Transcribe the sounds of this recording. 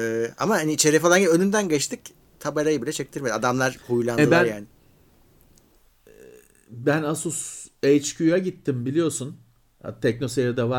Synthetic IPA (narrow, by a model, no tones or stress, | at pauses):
ɛːamahaniit͡ʃʰeɾifalˠanɟibiønynd̪ænɟɛt͡ʃt̪ʰɯc | t̪ʰabaɾajɯbilʲɛt͡ʃʰɛc̚t̪ʰiɾme̞d̪iad̪amlˠaɾhujlˠanɛɯbænɾjaːnɪ | bænasusejt͡ʃcʰyjaɟit̪ʰːimbilʲijo̞sun | a̰t̪ʰɛcno̞sead̪ava